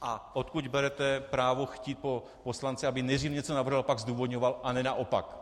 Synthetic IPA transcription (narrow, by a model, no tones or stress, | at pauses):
ʔaʔot̪kuɟbɛɾɛt̪ɛpɾaːvoxciːt̪̚po | poslant͡sɛabɪnɛd̪r̝iːvɲɛt͡sonavr̩ɦalpaɡzd̪uːvod̪ɲovalʔanɛnaʔopa̰k